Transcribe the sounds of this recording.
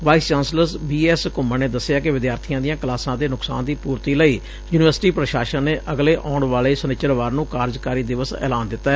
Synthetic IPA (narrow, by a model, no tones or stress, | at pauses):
ʋaːist͡ʃaːnsləsbiːɛːskʊməneːd̪əsːɪjaːkɪʋɪd̪jaːɾt̪ʰijãːd̪ɪjãːklaːsãːd̪eːnʊksa̰ːnd̪iːpuːɾt̪iːləiː | juːnɪʋəɾsʈiːpɾəʃaːʃənneːʔʔəɡleːʔɔːɳʋaːleːsənɪt͡ʃəɾʋaːɾnũːkaːɾd͡ʒkaːɾiːd̪ɪʋəsɛ̰ːlaːnd̪ɪt̪ːaɛ